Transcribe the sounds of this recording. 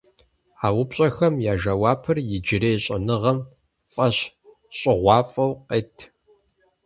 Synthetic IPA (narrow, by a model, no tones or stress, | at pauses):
aːwʊpɕʼɐxɐmjaːʒɐwɑːpʰɨrjɪd͡ʒɪɾeːjɕʼɐ̰nɨʁɐm | fʼɐɕ | ɕʼɪʁʷɑːfʼɐwqeːtʰ